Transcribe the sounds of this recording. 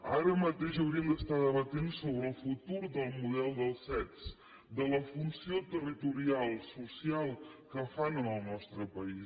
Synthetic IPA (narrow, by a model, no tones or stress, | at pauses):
a̰ɾəmət̪eʃəwɾiəmd̪əst̪aðəβət̪ensoβɾəːlˠfut̪uɾðəlˠmuðɛlˠd̪əlˠsɛt͡s | d̪ələfunsiot̪ərit̪uɾialˠsusialˠkəfanənəlˠnɔst̪ɾəpəis